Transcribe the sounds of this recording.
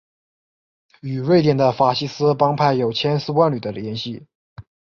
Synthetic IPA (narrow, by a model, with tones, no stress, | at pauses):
y˨˩ɻwe˥˩ɪt̪jɛ˨˩nd̪ə˦fa˨˥˩ɕi˥sɹ̩˥pɑ˥ŋpʰa˥˩ɪjo˨˩ʊt͡ɕʰjɛ˥nsɹ̩˥˧kwa˥nly˨˩d̪ə˦ljɛ˧˥nɕi˥˩